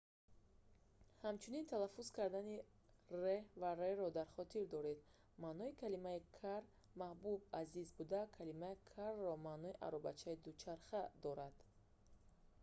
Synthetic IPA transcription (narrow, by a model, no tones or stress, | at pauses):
hamt͡ʃʰunint̪ʰalafuzkʰaɾd̪ani | revaɾeɾɔd̪aɾχɔt̪ʰiɾd̪ɔɾe̞d̪ | manɔikʰalimaikʰaɾ | mahbubazizbud̪akʰalimaikʰarːɔmanɔiʔa̰ɾɔba̰t͡ʃʰaid̪ut͡ʃʰaɾχad̪ɔɾad̪̥